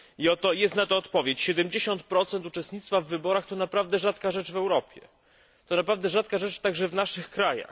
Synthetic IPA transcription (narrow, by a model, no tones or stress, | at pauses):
iɔt̪ɔjɛst̪nat̪ɔːt̪pɔvʲjet͡ɕɕɛd̪ɛmd͡ʑeɕɔnt̪pɾɔt̪sɛnt̪ut͡ʂɛst̪ɲit̪st̪favːɘbɔɾaxt̪ɔnapɾavd̪ɛʐat̪kaʐɛt͡ʂvɛwɾɔpʲjɛ̰ | t̪ɔnapɾavd̪ɛʐat̪̚kaʐɛt͡ʂt̪aɡʐɛvnaʂɘxkɾaja̰x